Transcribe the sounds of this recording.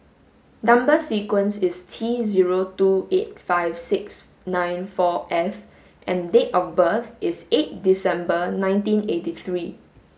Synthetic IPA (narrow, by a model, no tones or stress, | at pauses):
nãmbəsikwə̃nsistʰiziɹotuet̚faɪvsɪks | nãɪ̃nfɔʔɛf | ʔɛ̃ndetɔfbəθɪset̚disɛ̃mbənãɪ̃ntĩnetiθɹi